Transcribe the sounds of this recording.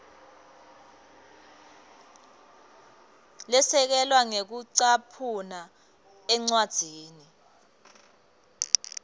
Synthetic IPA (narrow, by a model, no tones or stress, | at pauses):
lɛsɛk̬ɛlwaŋek̬uǀapʰuna | ɛŋ͡ǀwad̥z̥ʱiːni